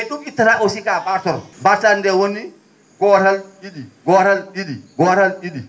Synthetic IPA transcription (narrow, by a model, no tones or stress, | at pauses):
eɗumitːaɾaʔɔsikabaɾtɔɾbaɾtandɛwoni | ɡɔːɾalɗiɗiɡɔːɾalɗiɗiɡɔːɾalɗiɗi